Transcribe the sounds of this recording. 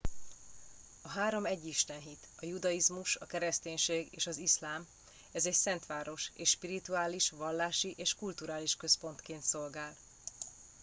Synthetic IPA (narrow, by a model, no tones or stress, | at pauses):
ɒɦaːɾo̞mɛɟːiʃt̪ɛnɦit̪ɒjud̪ɒizmuʃɒkɛɾɛst̪eːɲʃeːɡḛːʃɒzislaːm | ɛzɛcsɛnt̪ʋaːɾo̞ʃeːʃʃpiɾit̪uaːliʃʋɒlːaːʃiʔeːʃkult̪uɾaːliʃkø̞spo̞nt̪keːnt̪so̞lɡaːl